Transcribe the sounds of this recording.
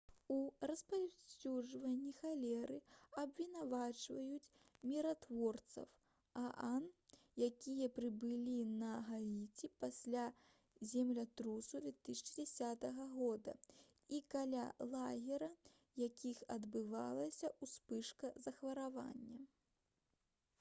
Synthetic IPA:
urɐspawsʲuʐvɐnʲːixalʲɛɾɨɐbvʲinavat͡ʂvɐjut͡sʲ | mʲiɾat̪vɔrt̪sɐ̰w | aʔan | jakʲijɐpɾɨbɨlʲinɐɣait͡sʲipasʲlʲa | zʲɛmlʲɐt̪ɾusud̪ʲvʲɛt̪ɨsʲt͡ʃɨd͡zʲɛsʲat̪ɐɣɐɣɔd̪ɐ̰ | ikalʲalˠaɣʲɛɾɐ | jakʲixɐd̪bɨva̰lˠɐsʲɐʔuspɨʂkɐzɐxvɐɾava̰nʲːɐ

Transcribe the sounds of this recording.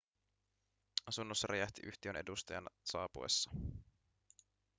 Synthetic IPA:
ɑsunːosːɑɾʔejæht̪iʔyht̪iøne̞dust̪ɑjɑ̰nsɑːpuḛsːɑ̥

